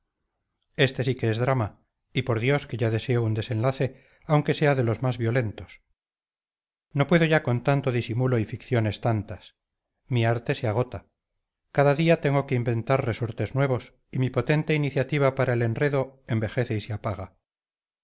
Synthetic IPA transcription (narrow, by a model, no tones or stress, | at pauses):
e̞st̪e̞sike̞ezðɾama | ipo̞ɾðjo̞ske̞ʝaðe̞se̞ound̪e̞se̞nlaθe̞ | awŋke̞se̞aðe̞lo̞zmazβjo̞le̞nt̪o̞s | no̞pwe̞ðo̞ʝako̞nt̪ant̪o̞ðisimulo̞ifikθjo̞ne̞st̪ant̪as | miaɾt̪e̞seaɣ̞o̞t̪a | kaðaðiat̪e̞ŋɡo̞keimbe̞nt̪arre̞so̞ɾt̪e̞znweβ̞o̞s | imipo̞t̪e̞nt̪e̞iniθjat̪iβ̞apaɾaele̞nre̞ðo̞e̞mbe̞xe̞θeiseapaɣ̞a